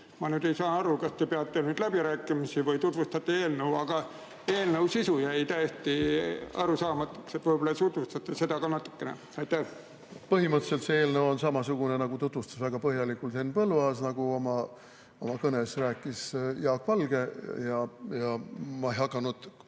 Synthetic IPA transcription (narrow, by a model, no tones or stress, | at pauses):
mɑnyːd̪e̞jsɑːnɑɾukɑst̪epeɑt̪ːˑenyd̪̥læbiɾæːkːˑimisivɯjt̪ut̪vust̪ɑt̪ːˑeeːlnewɑɡ̥ɑ | e̞ːlnewsisujæjt̪æjeht̪iɑ̰ɾusɑːmɑt̪ːˑu̥kset̪ːvɤjbolɑt̪ut̪vust̪ɑt̪ːˑese̞d̪ɑkɑnɑt̪ːˑu̥kːenḛ | ɑjt̪ːæh | pɤɦimɤt̪se̞lt̪seeːlnewonsɑmɑsuɡ̥unenɑɡ̥ut̪ut̪vust̪ɑ̥svæɡ̥ɑpɤɦjɑlikːult̪henːpɤlvɑːsnɑɡ̥uomɑ | omɑkɤnesræːkːˑisjɑːkːˑvɑlɡ̥e̞jɑjɑmɑejɦɑkːˑɑnud̪̥